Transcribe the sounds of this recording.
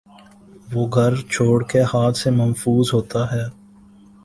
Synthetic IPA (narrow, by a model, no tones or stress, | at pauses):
ʋoːɡʱɐɾt͡ʃʰoːɽkehaːt̪ʰsemənfuːzɦoːt̪aɦɛː